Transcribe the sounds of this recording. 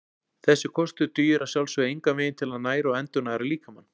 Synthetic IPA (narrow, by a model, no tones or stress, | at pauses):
θɛsːɪkʰɔst̪ʏt̪yːjʏɾaðsjawlsvʏejŋkavɪːjɪnt̪ʰɪlaðnaːjɾaɛnt̪ʏnaɛɾaliːkamanː